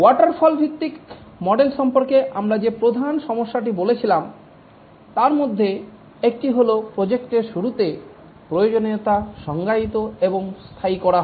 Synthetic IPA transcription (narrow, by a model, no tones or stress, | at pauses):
waʈaɾfʰɔlbʱit̪ːikmɔɖelʃɔmpoɾkeʔamɾad͡ʑepɾod̪ʱanʃɔmoʃːaʈ̬ibolet͡ɕʰilam | t̪aɾmod̪ʱːe | ek̚ʈiɦolopɾod͡ʑekʈeɾʃuɾut̪e | pɾojod͡ʑonet̪aʃɔŋɡait̪oeboŋst̪ʰaikɔɾaɦ